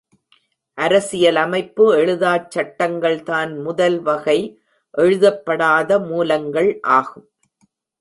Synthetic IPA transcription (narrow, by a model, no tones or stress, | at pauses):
ʔɐɾɐsɪjɐlɐmɐɪpːɯɛɻɯðaːt͡ʃːɐʈːɐŋɡɐɭt̪aːnmʊðɐlʋɐɣɐɪ | ʔɛɻɯðɐpːɐɽaːðɐmuːlɐŋɡɐɭʔaːɣɯm